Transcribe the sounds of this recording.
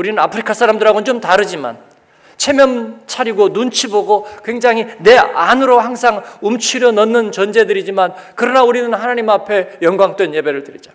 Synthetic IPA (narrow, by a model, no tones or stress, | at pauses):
uɾinɯnapʰɯɾikʰasʰaɾamdɯɾɦaɡont͡ɕomtaɾɯd͡ʑima̰n | t͡ɕʰe̞mjʌmt͡ɕʰaɾiɡonunt͡ɕʰiboɡokwe̞ŋd͡ʑaŋɦine̞anɯɾohaŋsʰaŋumt͡ɕʰiɾjʌnʌnːɯnt͡ɕʌnd͡ʑe̞dɯɾid͡ʑiman | kɯɾʌnauɾinɯnhanaɲimapʰe̞jʌŋɡwaŋtwe̞nje̞be̞ɾɯɭtɯɾid͡ʑa